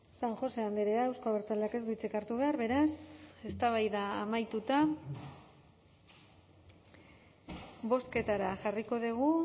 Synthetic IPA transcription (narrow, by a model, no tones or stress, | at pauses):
saŋxo̞se̞and̪eɾeaewskoaβeɾt͡sald̪eake̞zdujt͡sekaɾt̪uβ̞e̞aɾβe̞ɾase̞st̪aβ̞ajðaːmajt̪ut̪a | βo̞ske̞t̪aɾaʝariko̞ðiɣ̞u